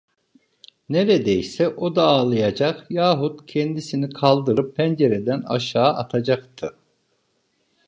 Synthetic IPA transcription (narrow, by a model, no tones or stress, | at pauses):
neɾed̪ejsɛʔod̪aːlˠɯjad͡ʒaqjaːɦut̪cʰɛnd̪isinikʰalˠd̪ɯɾɯpːʰænd͡ʒeɾed̪æna̰ʃaːʔat̪ʰad͡ʒakt̪ʰɯ